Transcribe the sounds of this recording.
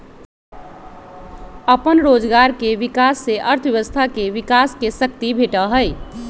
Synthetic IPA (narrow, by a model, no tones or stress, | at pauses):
əpənɾod͡ʒɡaɾkeʋikasːeʔəɾt̪ʰʋjeʋəst̪ʰakeʋikaskesək̚t̪ibʱeʈəɦəj